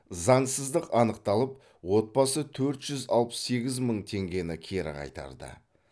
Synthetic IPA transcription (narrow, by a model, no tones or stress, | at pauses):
zɑɴsəzd̪əqɑnəq̚t̪ɑlˠəp̚ | wo̞t̪̚bɑsət̪ʰɵɾt̪ʒ̥ʏzɑlˠpə̥se̞ɡʲɪzməɴt̪ʰe̞ŋɡʲe̞nɪkʲʰe̞ɾɪ̰qʰɑ̰jt̪ɑ̰ɾd̪ə̰